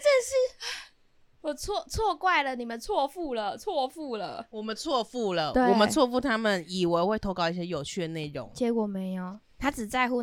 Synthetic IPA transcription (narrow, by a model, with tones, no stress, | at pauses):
ʈ͡ʂə˥˧nʂɻ̩˥˩ | wɔ˨˩t͡sʰwɔ˥˧t͡sʰwɔ˥˧kwa˥˩ɪlə˩ni˨˩mə˨˦nt͡sʰwɔ˥˧fu˥˩lə˩t͡sʰwɔ˥˧fu˥˩lə˨˩wɔ˨˩mə˦nt͡sʰwɔ˥˧fu˥˩lə˩t̪we˥˩wɔ˨˩˨mə˦t͡sʰwɔ˥˧fu˥˩t̪ʰa˥mə˨ni˨˩we˧˥ɪxwe˥˩ɪt̪ʰo˧˥ʊkɑ˥˧ʊi˥˩ɕjɛ˥jo˨˩ʊt͡ɕʰy˥˩d̪ə˨˩ne˥˩ɪɻʊ̰˧˦ŋt͡ɕjɛ˧˥kwɔ˨˩me˧˥ɪo˩ | t̪ʰa˥t͡sɻ̩˨˩t͡sa˥˧ɪxu˥˧˩